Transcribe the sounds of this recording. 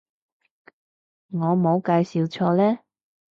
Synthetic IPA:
ŋɔː˨˧mo˨˧wkaː˧jsiː˨wt͡sʰɔː˧lɛː˥

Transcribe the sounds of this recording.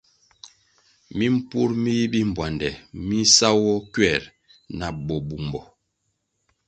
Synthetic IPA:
mi˦m̩˦pu˦ɾmi˦bi˦m̩˨bwa˨ndɛ˨mi˦sa˦wɔ˦kɥɛ˨ɾ | na˨bɔ˨bu˨mbɔ˨

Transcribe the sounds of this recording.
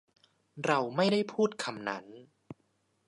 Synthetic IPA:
ɾa˧wma˥˩jda˥˩jpʰuː˥˩t̪̚kʰa˧mna̰˦˥n

